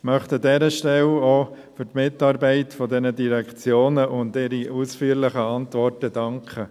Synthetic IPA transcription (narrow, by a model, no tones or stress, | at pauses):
mœχtədɛɾəʃtɛlo | fʏɾtmɪtːɑːɾbɛɪtfɔdɛnədiɾɛkʰt͡sjoːnəʔʊndɪɾiʔusfyːəɾlɪχəɑntʋɔrtəd̥ɑŋkʰχə